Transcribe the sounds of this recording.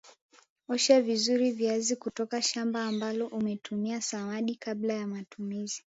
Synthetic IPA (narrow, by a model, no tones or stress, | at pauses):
ɔʃavizuɾiviazikutɔkaʃambaːmbalɔʔumɛtʰumiasawaɗikablajamatumizi